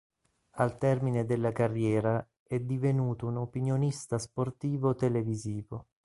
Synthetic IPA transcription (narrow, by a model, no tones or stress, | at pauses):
alt̪ɛrmined̪elːakarːjɛːɾa | ɛd̪ivenuːt̪ounopinjonist̪asport̪iːvot̪eleviziːvo